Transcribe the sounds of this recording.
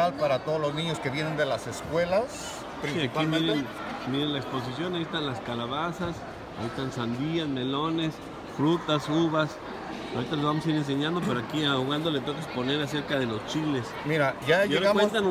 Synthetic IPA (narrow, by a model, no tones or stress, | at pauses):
alpaɾat̪oðoloznĩɲoskeβjenend̪elaseskwe̞las | pɾisiakimeɾen | mjeɾenlaekspo̞s̬is̬jo̞najiest̪anlaskalaβasas | a̰iest̪ansand̪iazme̞lo̞ne̞s | fɾut̪asuβas | awɾit̪alezβamo̞s̬aiɾe̞ns̬e̞ɲãnd̪opeɾoakiaoɣand̪o̞let̪o̞kaspo̞ne̞ɾas̬e̞ɾkaðe̞lo̞st͡ʃile̞smiɾaʝaeawent̪an